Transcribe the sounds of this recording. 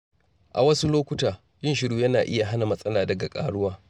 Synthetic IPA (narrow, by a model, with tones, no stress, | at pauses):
ʔa̰˨wɐ˦su˦loː˦kʷʊ˦taː˨ | jɪ˦nʃɪ˦ɽuː˦jɐ˦naː˨ʔɪ˦ja˨ɦa˦na˨mɐ˦sʼɐ˦laː˨dɐ˨ɡa˨kʼa̰ː˦ɽʊ˦waː˦